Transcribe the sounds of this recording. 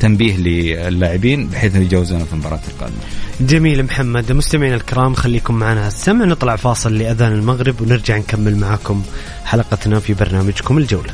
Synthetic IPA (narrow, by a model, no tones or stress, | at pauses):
t̪ambiːhlɪɪlːaːʕɪbiːnbɪħeːθnjd͡ʒaːwːɪzuːnafimbɑːɾˤɑːt̪ɪlqɑ̰ːd̪ɪmad͡ʒamiːlmħamːad̪mʊst̪amɪʕiːnalkɪɾɑːmxalːiːkʊmːaʕanaasːamʕnɨt̪ˤlɑʕfɑːsˤɨlːɪʔaðaːnɪlmaɣɾɪbwnɪɾd͡ʒaʕnkamːɪlmaʕaːkʊm | ħalɑqɑt̪nafibɑɾˤnaːmad͡ʒkʊmɪld͡ʒawla